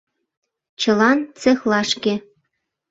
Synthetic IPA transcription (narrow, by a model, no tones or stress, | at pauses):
t͡ɕɤ̆lɑnt͡sexlɑʃkĕ